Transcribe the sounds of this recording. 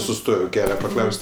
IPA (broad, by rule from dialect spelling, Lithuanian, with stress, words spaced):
sʊˈstoːj ˈkʲæːlʲɛ pɐˈklˠɐʊsʲtʲ